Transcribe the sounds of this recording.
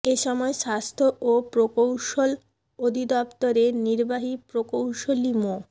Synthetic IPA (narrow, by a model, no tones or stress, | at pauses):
eʃɔmɔeʃast̪ʰoʔopɾokowʃol | od̪ʱid̪ɔpt̪oɾeniɾbaɦipɾokowʃolimo